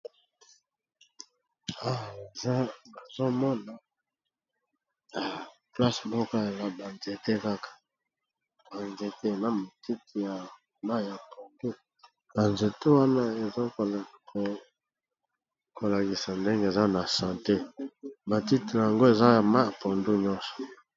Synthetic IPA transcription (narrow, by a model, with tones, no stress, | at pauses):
a˦˨e˨za˦a˨zo˦mɔ˦na˨ | ja˨pla˦smɔ˦ka˦ja˨la˦ba˨nze˨te˦ka˦kḁ˨ | ba˨nze˨te˦e˨na˦mo˨ti˦ti˨ja˨ | ma˦ja˨pʰo˨ndu˦ | b̥a˨nze˨te˦wa˦na˦e˨zo˦ko˨la˨˦ | ko˨la˨ki˨sa˨nde˦ŋɡe˦e˨za˦na˨sã˨te˦ba˨ti˦ti˨na˨a˨ŋɡo˦e˨za˦ja˨ma˦a˨po˨ndu˦ɲɔ˦nsɔ̥˨